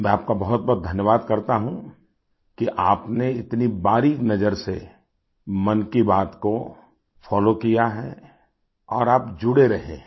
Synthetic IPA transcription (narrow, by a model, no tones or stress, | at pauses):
mɛ̃aːp̚kabɐɦʊt̪̚bɔɦt̪̚d̪ʱɐnjəʋaːd̪kɐɾt̪aɦũ | kiʔaːpneɪt̪nibaːɾinɐd͡ʒəɾse | mɐnkibaːt̪ko | fɔːlokijaɦɛː | ɔːɾaːpd͡ʒʊɽeɾɐɦḛ̃ː